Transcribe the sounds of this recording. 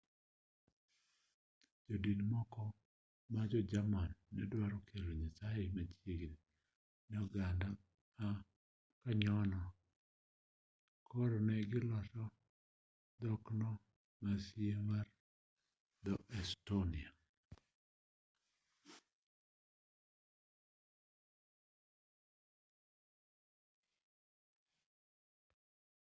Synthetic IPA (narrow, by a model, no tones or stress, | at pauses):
d͡ʒɔdidmɔkɔ | mad͡ʒɔd͡ʒamanːɛdwaɾɔkʰeloɲasajemat͡ʃeɡni | nɔɡanda | a | kaɲɔnɔ | kʰɔɾɔnɛɡɪlɔʃɔ | d̪ɔknɔ | masiemar | d̪ɔʔɛstonia